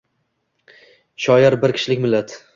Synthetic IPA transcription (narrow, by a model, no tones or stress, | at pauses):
ʃɒjaɾbɪɾkʲʰɪ̥ʃlɪkʲmɪlːat̪